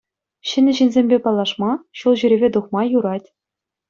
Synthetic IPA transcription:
ɕɘ̆nʲɘ̆ʑinʲzʲemʲbʲepɑlːˠɑʂmɑɕulˠʑyɾʲebʲed̪uχmɑjuɾɑtʲ

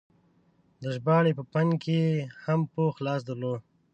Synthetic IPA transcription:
d̪əʒbɑːɽepəpaŋkehampoxlɑːs̬d̪əɾloː

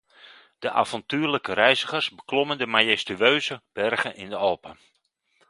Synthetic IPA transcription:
d̥əʔa̰fɔntyːrləkəɾɛjzəχərsbəkloməndəmajɛstyøːzəb̥ɛrɣəʔɪndəɔlˠpən

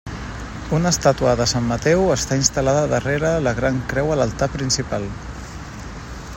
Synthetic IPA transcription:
unəst̪at̪uəðəsamːət̪ɛwəst̪ainst̪əlaðəðəreɾələɣɾaŋkɾɛwələlˠt̪apɾinsipalˠ

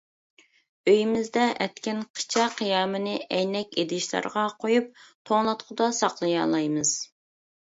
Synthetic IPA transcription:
øjimɪzd̪ɛʔɛt̪kʲinqʰə̥t͡ʃʰɑqʰijɑːmɨnɨʔɛjnɛkʲed̪ɪʃlˠɑ̰ɾʁɑqʰojup̚t̪ʰoŋlˠɑt̪qʰʊd̪ɑsɑqlˠɨjɑ̰lˠɑjmɨz̥

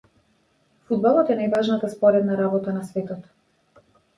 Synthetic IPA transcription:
fud̪̚balˠɔt̪ɛnajvaʒnat̪aspɔɾɛd̪naɾabɔt̪anasvɛt̪ɔt̪

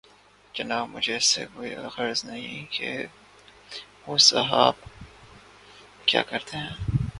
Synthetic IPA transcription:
d͡ʒɐnaːbmʊd͡ʒʱesḛkoːiaxəɾznɐɦĩkḛ | ʋoːsɐɦaːb | kja̰ːkɐɾt̪eɦɛ̃ː

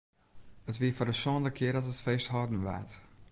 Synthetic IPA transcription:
ətʋiəfɔdəsɔːndəkʰɪərdɔtətfeːsthɔdn̩ʋa̰t

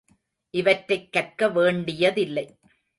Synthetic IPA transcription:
ʔɪʋɐʈɾɐɪkːɐrkɐʋeːɳɖɪjɐðɪlːɐɪ

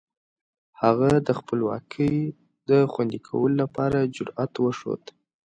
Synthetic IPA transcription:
haɣad̪əxpəlwɑ̰kʰəj | d̪əxwand̪ikʰawəlolapɑɾad͡ʒʊɾat̪wəʂo̰d̪

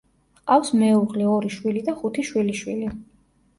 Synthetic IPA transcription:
qafsmɛuʁlɛɔɾiʃwilid̪aχut̪ʰiʃwiliʃwili

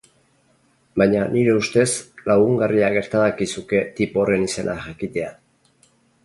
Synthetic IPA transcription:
bajɲaniɾe̞ust̪e̞slaɣuŋɡariaɣe̞ɾt̪aðakisuke̞t̪ipo̞re̞nise̞nʔaʝakit̪e̞a

